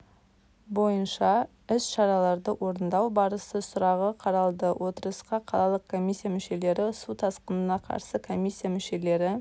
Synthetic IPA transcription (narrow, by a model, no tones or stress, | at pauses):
bo̞jənʃɑ | ɪsʃɑɾɑlˠɑɾd̪əwʔo̞ɾənd̪ɑwbɑɾəsəsʊɾɑʁəqʰɑɾɑlˠd̪əwʔo̞t̪əɾəsqɑqʰɑlˠɑlˠəq̚kʰːo̞mʲijsʲːijamʏʃe̞le̞ɾɪsut̪ʰɑsqənənɑqʰɑ̰ɾsəkʰo̞mʲisʲːijamʏʃe̞le̞ɾɪ